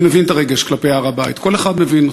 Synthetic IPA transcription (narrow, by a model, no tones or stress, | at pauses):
mevint̪aʁeɡeʃklapeaːʁabaj̰t̪ko̞leχad̪me̞vin